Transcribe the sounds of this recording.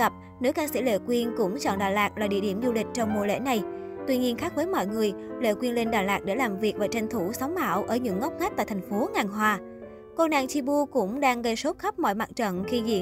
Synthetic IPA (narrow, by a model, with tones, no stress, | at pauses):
ə˨˩p̚ | ne˨˦kaː˧nsḭ˧˥˩lḛ˧˨kwi˧ənkʊ̰˧˥ŋ͡mt͡ɕɔ̰˧˨nɗaː˨˩laː˨˩k̚laː˨˩ɗḭ˧˨əɗi˧˩əmzu˧lï˨˩k̟̚t͡ɕɔ˧wŋ͡mmṵ˧˨lḛ˧˥na˨˩j | t̪wi˧ɲi˧ənxaː˦˥k̚vəː˨˦jmɔ̰˧˨jŋɨ˨˩əjlḛ˧˨kwi˧ənle˧nɗaː˨˩laː˨˩k̚ɗḛ˧˩laː˨˩mvi˨˩ək̚vaː˨˩t͡ɕɛ˧jŋ̟t̪ʰu˧˩sa˨˦wŋ͡mɓa̰ː˧˩wʔəː˧˩ɲɨ̰˧˥ŋː˦˥k͡p̚ŋa˦˥t̪aː˧˨jt̪ʰŋfo˨˦ŋaː˨˩ŋɦwaː˧˩ | ko˧na̰ː˧˨nt͡ɕi˧ɓu˧kʊ̰˧˥ŋ͡mɗaː˧ŋɣə˧jso˦˥p̚xə˦˥p̚mɔ̰˧˨jma˨˩t̚t͡ɕə̰˧˨nxi˧zḭ˧˨˥